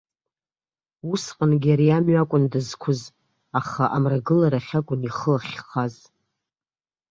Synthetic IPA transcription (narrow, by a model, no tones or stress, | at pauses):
usqʼənɡʲaɾiamɥakʷʼʊndɨzkʷʰʊz | aχaʔamraɡɨlaɾaχʲakʷʼʊniχəaχʲχaz